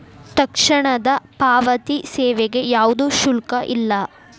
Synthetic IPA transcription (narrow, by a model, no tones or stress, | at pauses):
t̪ɐkʂɐɳɐd̪ɐpaːʋɐt̪isɛːʋeɡe̞jaːʋud̪uʃulkɐʔilːɐ